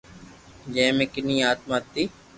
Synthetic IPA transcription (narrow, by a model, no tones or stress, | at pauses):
d͡ʒẽːmẽːkɪnĩːaːt̪̚maːt̪ːiː